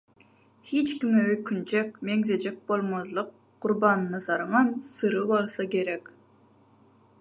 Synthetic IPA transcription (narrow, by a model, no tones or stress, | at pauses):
hit͡ʃkʲimøjkʲʰynt͡ʃʰɛkʲmeŋzed͡ʒek̚ʲbolˠmozlˠəqʰː | ʊɾbɑnnɑzɑɾɴɑnsɨɾɯbolˠsɑkʲeɾɛkʲ